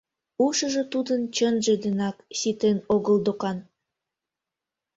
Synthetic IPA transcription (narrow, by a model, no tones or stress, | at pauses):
uʃə̆ʒə̆t̪ud̪ənt͡ɕənʒĕd̪enɑksit̪enoɣəld̪okɑn